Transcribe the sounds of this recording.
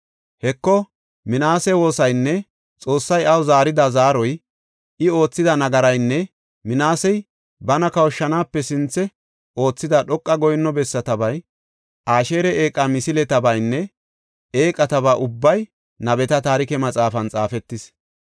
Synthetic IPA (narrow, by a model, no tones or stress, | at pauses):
hɛkːɔ | mɪnaːsɛwo̞ːsɐjnːɛ | t͡sʼo̞ːsːɐjɐwzaːɾɪd̪ɐzaːɾɔj | ʔɪo̞ːt͡sːɪd̪ɐnɐɡɐɾɐjnːɛ | mɪnaːsɛj | bɐnɐkɐwʃːɐnaːpːɛsɪnt͡sːɛ | ʔo̞ːt͡sːɪd̪ɐɗɔkʼːɐɡɔjnːɔbɛsːɐt̪ɐbɐj | ʔaːʃe̞ːɾɛʔe̞ːkʼːɐmɪsɪlɛt̪ɐbɐjnːɛ | eːkʼɐt̪ɐbaːʔʊbːɐj | nɐbɛt̪ɐt̪aːɾɪkɛmɐt͡sʼaːfɐnt͡sʼaːfɛt̪ːɪs